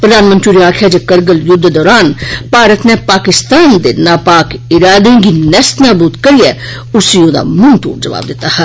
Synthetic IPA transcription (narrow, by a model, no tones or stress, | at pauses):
pɾəd̪aːnmə̃nt̪ɾiɾiaːkʰjaːd͡ʒekəɾɡəljʊd̪ʱːd̪ɔːɾaːnpaːɾət̪nepaːkɪst̪aːnd̪enaːpaːkɪɾaːd̪ẽɡinɛst̪naːbuːt̪kɐɾijɛ | ʊsiod̪a̰mʊnt̪o̰ːʈd͡ʒɐʋa̰ːb̚d̪ɪt̪aːhɛ